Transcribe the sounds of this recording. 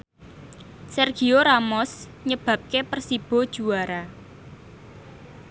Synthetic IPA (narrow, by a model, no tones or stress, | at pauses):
sɛrɡ̥ioɾamɔsɲəb̥ä̤p̚kepərsib̥ɔ̤d̥ʒ̥uaɾa